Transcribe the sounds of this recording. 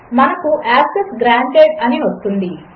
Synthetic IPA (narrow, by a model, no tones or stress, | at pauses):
mɐnɐkuʔaːksesɡɾaːɳʈeːʈɐniʋɐst̪und̪i